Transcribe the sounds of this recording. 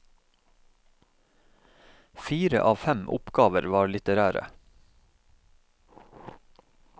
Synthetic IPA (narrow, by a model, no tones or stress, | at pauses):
fiːɾə̰ʔɑːʋfɛmʔʊ̰pɡɑːʋəɾʋɑːɾlɪt̪əɾæːɾə̰